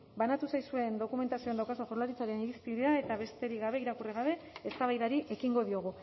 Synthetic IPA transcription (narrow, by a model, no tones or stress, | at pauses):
banat̪usajsue̞nd̪o̞kume̞nt̪asio̞end̪awkasoʝoɾlaɾit͡saɾe̞niɾist̪ieae̞t̪aβe̞st̪e̞ɾiɣaβe̞iɾakuriɣaβe̞est̪aβajðaɾiʔe̞kiŋɡo̞ðio̞ɣ̞u